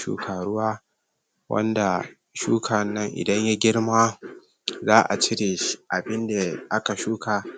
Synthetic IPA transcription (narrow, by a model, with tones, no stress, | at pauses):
ʃṵː˦kʰaː˨ɽʊ˦waː˦ | wɐ̰˦nda˨ | ʃuː˦kʰa˨nːɐ˦ŋʔɪ̰˨dɐ˦ɲja˦ɡʲɪ˦ɽmaː˦ | zaː˦ʔa̰˨t͡ʃɪ˦ɽeː˨˦ʔa˨bɪ˦nda˨ʔa˦ka˨ʃuː˦kʰa˨